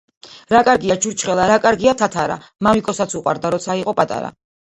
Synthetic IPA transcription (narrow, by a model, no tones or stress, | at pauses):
ɾakʼaɾɡiad͡ʒuɾt͡ʃʰχɛlˠaɾakʼaɾɡiat̪ʰat̪ʰaɾa̰ | mamikʼɔsat̪sʰuqʼwa̰ɾd̪aɾɔt̪sʰaiqʼɔpʼat̪ʼa̰ɾa̰